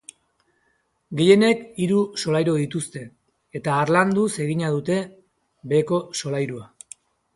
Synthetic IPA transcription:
ɡe̞je̞ne̞kiɾuso̞lajɾoðit̪ust̪e̞ | et̪aːɾland̪use̞ɣiɲað̞ut̪e̞ | be̞ːko̞so̞lajɾua

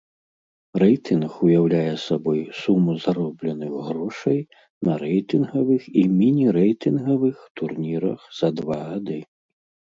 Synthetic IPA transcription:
rɛjt̪ɨnxujawlʲajɛsabɔjsumuzaɾɔblʲɛnɨɣɣɾɔʂɐj | nɐɾɛjt̪ɨnɣɐvɨximʲinʲiɾɛjt̪ɨnɣɐvɨxt̪urnʲiɾɐ̰xz̥ɐd̪vaɣad̪ɨ

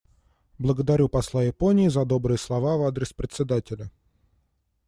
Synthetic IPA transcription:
blˠəɡəd̪ɐɾʲupɐslˠajɪpo̞nʲɪːzɐd̪o̞bɾɨjəslˠɐvavad̪ɾʲɪspɾʲɪt̪sʲɪd̪atʲɪlʲə

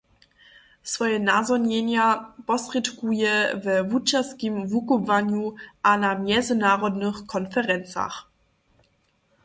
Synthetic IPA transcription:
sv̥ɔʏənazɔnjenjab̥ɔsʁ̥itkujəvəvut͡ʃaskimvukuvanjuʔanamjɛzənaːʁɔdnəχkʰɔnfɛʁɛnt͡sa̰χ

